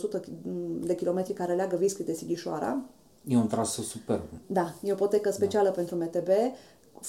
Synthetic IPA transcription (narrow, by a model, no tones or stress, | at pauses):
osut̪əd̪e̞kʲilo̞me̞t̪ɾikaɾeleaɡəviskulid̪e̞siɡʲiʃoa̰ɾa̰ | jeunt̪ɾasəsupḛrbd̪ajeopot̪ekəspe̞t͡ʃialəpe̞nt̪ɾume̞t̪e̞be̞ | f